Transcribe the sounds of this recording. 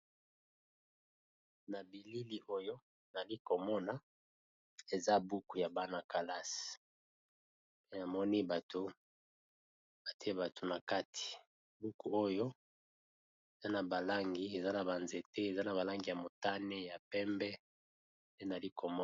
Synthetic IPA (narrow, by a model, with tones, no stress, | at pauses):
na˨bi˨li˦li˦ʔo˦jo˦ | na˨li˦ko˨mɔ˦na˨ | e˨za˦bu˦ku˨ja˨ba˦na˨ka˨la˦s | pe˦na˨mɔ˦ni˦ba˨to˨ | ba˨ti˦e˦ba˨tʰo˨na˨ka˦tʰi̥˨ | bu˦ku˨o˦jo˦ | e˨za˦na˨ba˨la˦ŋɡi˦e˨za˦na˨ba˨nze˨te˦e˨za˦na˨βa˨la˦ŋɡi˨ja˨mo˨ta˦ne˦ja˨pɛ˦mbɛ˦ | nde˦na˨li˦kʰo˨mɔ˦